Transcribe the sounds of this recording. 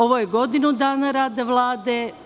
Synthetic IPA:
oʋojeɡo̞d̪inud̪aːnaɾaːd̪eʋlˠaːd̪e

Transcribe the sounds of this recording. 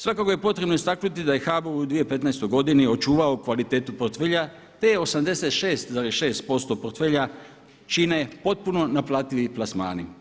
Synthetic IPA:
sʋakako̞je̞po̞t̪ɾe̞bnoist̪aknut̪id̪aje̞xaːboɾud̪ʋije̞pe̞t̪najst̪o̞jɡo̞d̪inio̞t͡ʃuːʋaokʋalit̪e̞ːt̪upoɾt̪feːʎa | t̪ejeo̞samd̪e̞se̞t̪ʃe̞ːst̪zaɾeʃe̞ːst̪̚po̞st̪o̞po̞ɾt̪feːʎa | t͡ʃiːneepo̞t̪̚puno̞naplˠaːt̪iʋiplasma̰ːni

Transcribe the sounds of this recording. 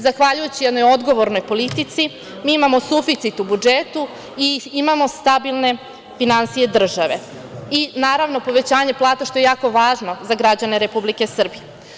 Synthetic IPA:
zaxʋaʎujet͡ɕijɛd̪no̞jo̞d̪ɡo̞ʋo̞ɾno̞jpo̞lit̪it̪si | miimamo̞sufit̪sit̪ubud͡ʒet̪u | iimamo̞st̪abilˠne̞ | finansije̞d̪r̩ʒaʋe̞̰ | inaːɾaʋno̞po̞ʋe̞t͡ɕaːɲe̞plˠaːt̪aʃt̪o̞je̞jaːko̞ʋaːʒno̞zaɡɾad͡ʑaneɾe̞publike̞sr̩bije

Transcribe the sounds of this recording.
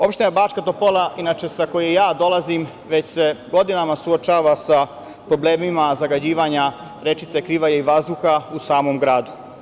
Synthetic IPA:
o̞pʃt̪enabaːt͡ʃkat̪o̞polˠaʔinat͡ʃe̞sako̞jejaːd̪o̞lazim | ʋe̞t͡ɕse̞ɡo̞d̪inamasuot͡ʃaːʋasa | pɾo̞ble̞ːmimazaɡad͡ʑiːʋaɲa | ɾe̞t͡ʃit̪sekɾiːʋajaiʋazd̪uxausaːmo̞mɡɾaːd̪u

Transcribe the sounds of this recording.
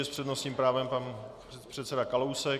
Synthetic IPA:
ɛspr̝̥ɛdnosɲiːmpɾaːvɛmpan | pr̥ɛt̪sɛdakalowsɛ

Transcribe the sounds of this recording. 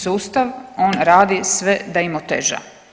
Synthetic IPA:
suːst̪aʋo̞ːnɾaːd̪isʋe̞d̪aimot̪ḛʒa̰

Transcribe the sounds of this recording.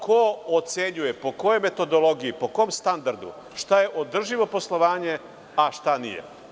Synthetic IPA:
kʰoot̪se̞ɲuje̞po̞ko̞jo̞jme̞t̪o̞d̪olˠo̞ɡiipo̞komst̪and̪aɾd̪ṵ | ʃt̪aje̞ʔod̪r̩ʒiʋo̞po̞slˠo̞ʋaːɲe̞ | aʃt̪anḭjḛ

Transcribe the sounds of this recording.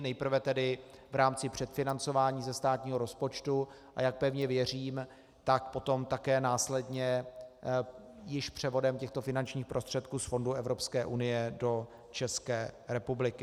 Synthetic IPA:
nɛjpr̩vɛt̪ɛdɪvɾaːmt͡sɪpr̝̥ɛt̪fɪnant͡so̞vaːɲiːzɛst̪aːt̪ɲiːɦo̞ɾo̞spo̞t͡ʃt̪u | ʔa̰jak̚pɛvɲɛvjɛr̝iːm | t̪akpo̞t̪o̞mt̪akɛːnaːslɛdɲɛ | jɪʃpr̝̥ɛvo̞dɛmcɛxt̪o̞fɪnant͡ʃɲiːxpɾʔost̪r̥ɛt̪̚kuːsfo̞nduʔɛvɾo̞pskɛːʔunɪjɛdo̞ | t͡ʃɛskɛːɾɛpublɪkɪ

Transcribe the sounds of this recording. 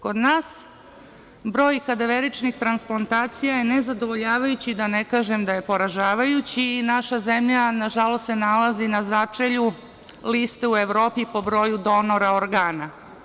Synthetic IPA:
ko̞d̪naːs | bɾo̞ːjkad̪aʋeɾit͡ʃnixt̪ɾansplˠant̪aːt̪sijajenezad̪o̞ʋo̞ʎaːʋajut͡ɕid̪anekaːʒemd̪aje̞po̞ɾaʒaːʋajut͡ɕiːnaʃazemʎanaʒalo̞st̪senalazinazat͡ʂeʎu | list̪eue̞ʋɾo̞ːpipo̞bɾo̞ːjud̪o̞no̞ɾaoɾɡaːna

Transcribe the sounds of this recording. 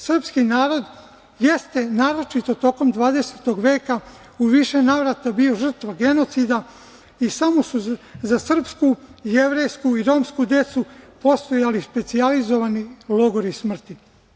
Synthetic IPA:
sr̩pskinaːɾo̞d̪ | je̞st̪e̞naːɾo̞t͡ʃit̪o̞t̪o̞ko̞md̪ʋaːd̪e̞set̪o̞ɡʋe̞ːka | uʋiʃe̞naːʋɾat̪abio̞ʒr̩t̪ʋaɡe̞no̞t̪sid̪a | isamo̞suzasr̩pskuje̞ʋɾe̞jskuiɾo̞ːmskud̪e̞t̪supo̞st̪o̞jalispe̞t̪sializo̞ʋanilˠo̞ɡoɾismr̩t̪i

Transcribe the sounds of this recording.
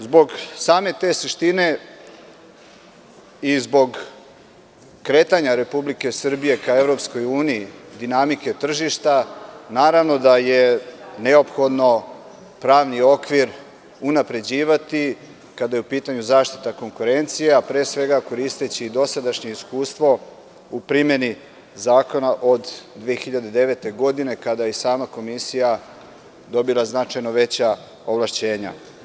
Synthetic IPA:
zbo̞ɡsaːme̞t̪e̞ːsiʃt̪ine̞ | izbo̞ɡ | kɾe̞t̪aɲaɾe̞publike̞sr̩bije̞kae̞vɾo̞psko̞juːniid̪inamike̞t̪r̩ʒiʃt̪anaːɾaʋno̞d̪aje̞ne̞o̞pxo̞d̪no̞ | pɾaːʋnio̞kʋiɾ | unapɾe̞d͡ʑiːʋat̪i | kad̪ajeupiːt̪aɲuzaːʃt̪i̥t̪ako̞ŋkuɾe̞nt̪sijeapɾe̞ːsʋe̞ɡako̞ɾist̪e̞t͡ɕiːd̪o̞sad̪aʃɲe̞iskuːst̪ʋo̞ | upɾimje̞ni | zaːko̞naʔo̞d̪dːʋiexiʎad̪e̞d̪e̞ʋe̞t̪e̞ɡo̞d̪ine̞kad̪ajesaːmako̞misija | d̪o̞bilˠaznat͡ʃajno̞ʋe̞t͡ɕa | oʋlˠaʃt͡ɕe̞ːɲa̰

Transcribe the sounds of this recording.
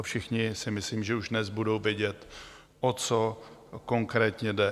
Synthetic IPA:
fʃɪxɲɪsɪmɪsliːmʒɛuʒdnɛzbudo̞wvjɛɟɛt̪ | ʔot͡soko̞ŋkɾɛːt̪ɲɛdɛ

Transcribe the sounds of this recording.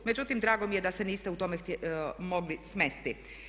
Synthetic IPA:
me̞d͡ʑut̪imd̪ɾaːɡo̞mije̞d̪aseniːst̪eut̪o̞mexmo̞ɡlismest̪i

